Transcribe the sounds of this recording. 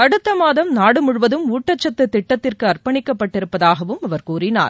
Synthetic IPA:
ɐɽɯt̪ːɐmaːðɐmnaːɽɯmʊɻʋɐðɯmuːʈːɐt͡ʃːɐt̪ːɯt̪ːɪʈːɐt̪ːɪrkɯɐrpɐɳɪkːɐpːɐʈːɪɾɯpːɐðaːɣɐʋɯmɐʋɐɾkuːrɪna̰ːɾ

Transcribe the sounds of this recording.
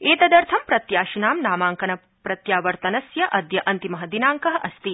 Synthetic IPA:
eːt̪ɐd̪ɐɾt̪ʰɐmpɾɐt̪jaːʃinaːmnaːmaːŋkɐnɐ | pɾɐt̪jaːʋɐɾt̪ɐnɐsjɐʔɐd̪jɐʔɐnt̪imɐɦɐd̪inaːŋkɐɦɐʔɐst̪i

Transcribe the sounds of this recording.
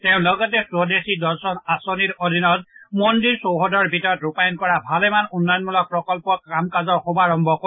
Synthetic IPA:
teʊ̃lɔɡɔtɛsɹɔdesidɔɹsɔnasoniɹodʱinɔtmondiɹsowɦɔdɔɹbʱitɔɹɔtɹupajɔnkɔɹabʱalɛmanunːɔjɔnmulɔk̚pɹɔkɔlpɔkɹamkazɔɹxobaɹɔmbʱɔko

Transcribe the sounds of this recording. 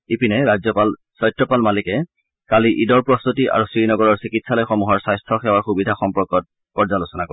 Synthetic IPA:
ipinɛɹazɔpal | sɔjtɹɔpalmalikɛ | kaliʔidɔɹpɹɔstutiʔa̰ɹusɹinɔɡɔɹɔɹsikitsalɔjxɔmuɦɔɹsajstʰɔxɛwaɹxubidʱaxɔmpɔɹkɔt̚ | pɔɹzalosɔnako

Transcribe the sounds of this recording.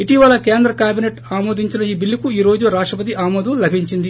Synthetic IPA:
iʈiʋɐlɐke̞ːnd̪ɾɐkaːbineʈaːmoːd̪iɲt͡ʃinɐiːbilːikuiːɾo̞ːd͡ʒuɾaːʂʈɾɐpɐt̪̬iʔaːmoːd̪ɐmlɐbʱiɲt͡ʃind̪i

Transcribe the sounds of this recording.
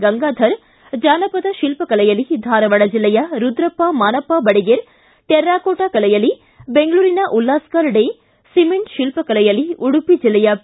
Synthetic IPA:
ɡɐŋɡaːd̪ʱɐɾ | d͡ʒaːnɐpɐd̪ɐʃilpɐkɐlɐjɐlid̪ʱaːɾɐʋɐɽɐd͡ʒilːɐjɐɾud̪ɾɐpːamaːnɐpːabɐɽiɡeɾ | t̪eɾːaːkoːʈaːkɐlɐjɐli | beŋɡɐɭuːɾinɐʔulːaːskaːɾɽe | simeɳʈʃilpɐkɐlɐjɐliuɽupːid͡ʒilːɐjɐ

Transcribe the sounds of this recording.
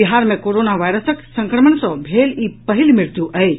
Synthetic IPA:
iɦaɾmẽkoɾoːnaʋajɾəsəksə̃ŋkɾəməɳsɔbʱeːliːpəɦilmɪɾt̪juʔʔɐe

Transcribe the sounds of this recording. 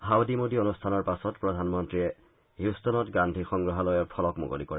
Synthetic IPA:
hawdimodionustʰanɔɹpasɔtpɹɔdʱanmɔntɹiɛ | ɦjustɔnɔtɡandʱixɔŋɡɹɔɦalɔjɛpʰɔlɔkmo̰ɡo̰lḭkɔɹɛ

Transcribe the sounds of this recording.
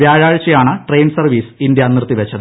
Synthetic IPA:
ʋjaːɻaːɻt͡ɕːɐjaːɳɨʈrejnɖɨsɐrʋiːsind̪jɐnirt̪ːiʋet͡ɕːɐðɨ

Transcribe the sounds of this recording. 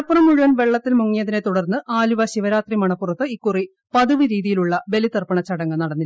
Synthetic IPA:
ɐpːurɐmːuɻuʋɐnʋe̞ɭːɐt̪ːilmuŋːijɐðinet̪uɽɐrnːɨʔaːluʋɐɕiʋɐɾaːt̪rimɐɳɐpːurɐt̪ːɨikːuri | pɐðuʋɨɾiːðijiluɭːɐʋe̞lit̪ɐrpɐɳɐt͡ɕɐɽɐŋːɐnɐɽɐnːi

